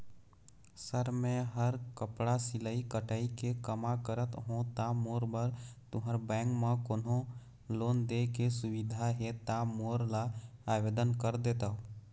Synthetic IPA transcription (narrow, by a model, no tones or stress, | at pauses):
səɾmẽɦəɾkəpɽasɪlaikəʈaːikekəmakəɾət̪ɦõt̪aːmoːɾbəɾt̪ʊɦəɾbɛ̃ːŋkmãkoːnõ | loːnd̪ekesʊwɪd̪ʱaɦet̪aːmoːɾlaaːʋeːd̪ənkəɾd̪eːt̪aːɦo